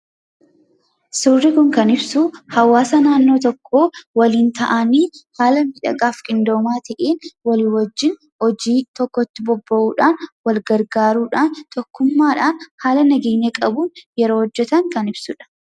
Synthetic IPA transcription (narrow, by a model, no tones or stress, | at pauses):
sʊrːɪkʊŋkɐnɪbsuhɐwaːsɐnaːnːo̞ːt̪ɔkʰːoːwɐliːnt̪ɐʔɐniːhaːlɐmɪᶑɐ̰ɡʼaːfkʼɪnd̪o̞ːmaːt̪ʰɐʔeːnwɐliːwɐd͡ʒːɪn | hɔd͡ʒiːt̪ɔkːɔt̪ːɪbɔbːɐʔuːᶑaːnwɐlɡɐɾɡaːɾuːᶑaːnt̪ɔkːʊmːaːᶑaːnhaːlɐnɐɡeːɲːɐkʼɐbuːnjɛɾoːhɔd͡ʒːɛt̪ɐŋkɐnɪbsʊᶑɐ̥